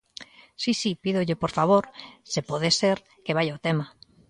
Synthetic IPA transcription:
sisipiðoʎepoɾfaβ̞oɾsepoðeseɾ | keβ̞ajaot̪ema

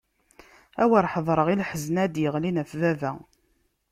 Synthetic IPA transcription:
æwəɾˤħəðˤɾˤəʁilħəznæd̪jəʁlinæfvævæ

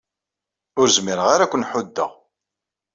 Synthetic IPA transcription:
ʊɾzmiɾəʁaɾakʷːənħʊd̪ːə̰ʁ

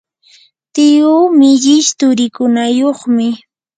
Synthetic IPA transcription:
t̪ɪʊmɪʎɪʃt̪ʊɾɪkʊnajoχmɪ

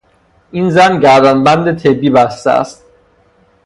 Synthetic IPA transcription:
ʔiːnzænɟæɾd̪ænbænd̪et̪ʰebːiːbæst̪ḛæ̰st̪̚

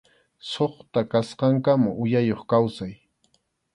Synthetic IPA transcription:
soχt̪akasqɑŋkamʊʔʊjajoχkawsaj

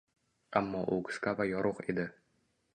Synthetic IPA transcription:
amːɒʔʊɡʊ̥skavajɒɾʔoqḛd̪ɪ

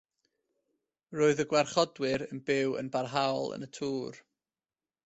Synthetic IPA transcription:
roːɨðəɡwarχɔdwɨɾənbɪwə̰nbarɦawlˠə̰nətʰuːr

